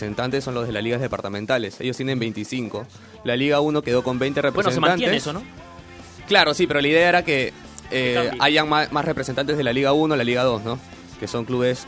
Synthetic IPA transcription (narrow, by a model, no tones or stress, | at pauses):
se̞nt̪ant̪esːo̞nlozðe̞lasliɣazðe̞paɾt̪amẽ̞nt̪ale̞sḛjost̪jene̞mbe̞jnt̪isiŋko̞ | laliɣauno̞ke̞ð̞o̞ko̞mbe̞jnt̪erepɾesnosenemaaneeesono | klaɾo̞sipe̞ɾo̞laið̞e̞aeɾake | eaʝaŋmamasre̞pɾesent̪ant̪e̞zð̞e̞laliɣaunolaliɣað̞o̞sno̞ | ke̞so̞ŋkluβes